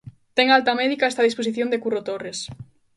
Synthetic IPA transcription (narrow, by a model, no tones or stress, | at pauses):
t̪ɛŋalt̪amɛðikaɛst̪aðisposiθjond̪ekurot̪ores